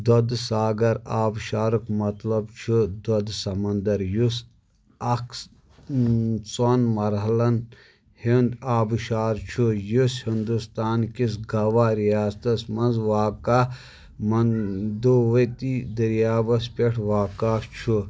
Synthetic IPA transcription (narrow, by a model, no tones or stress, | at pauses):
d̪od̪saːɡɐɾaːbʃaːɾukmɐt̪lɐbt͡ʃʰud̪ɔd̪sɐmɐnd̪ɐɾjus | ɐks | t͡sonmɐɾɦɐlɐn | hind̪aːbʃaːɾt͡ʃʰujushind̪ust̪aːnkisɡɐʋaːɾijaːst̪ɐsmɐnzʋaːkaː | mɐnd̪oʋɐt̪id̪ɐɾjaːbɐspʲeʈʰʋaːkaːft͡ʃʰu